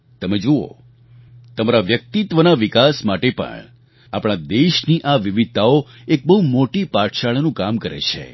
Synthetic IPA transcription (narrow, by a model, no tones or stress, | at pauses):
t̪əmed͡ʒoo̰ | t̪əmaɾaʋjək̚t̪it̪ʋənaʋikasmaʈepə̰ɳ | apɽ̃ad̪eʃniʔaʋiʋid̪̚t̪ʰao | ek̚bəɦumoʈipaʈʃaɭnũkamkəɾḛt͡ʃʰḛ